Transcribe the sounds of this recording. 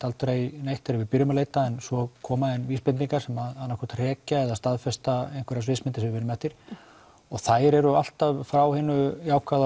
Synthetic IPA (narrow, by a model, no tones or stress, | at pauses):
t̪alt̪ɾejnejht̪aɾɪvɪpʏɾʏmaleːjt̪aɛnsɔkʰɔːmaðɛnviːspɪniŋkaɾ̥sɛmaðanːakʰɔɾ̥t̪r̥ɛːcaɛðaðst̪aðfɛst̪aejnŋkvɛɾasvɪsmɪnt̪ɪsɛɪvɪnːʏmɛht̪iɾ̥ | ɔɣθajɾɛɾʏal̥t̪avfɾawhɪnʏjaːwkað